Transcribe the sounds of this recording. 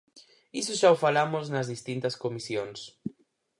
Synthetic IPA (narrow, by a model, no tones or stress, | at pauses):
isʊʃaʊfalamʊznɐzðist̪int̪ɐskomisjoŋs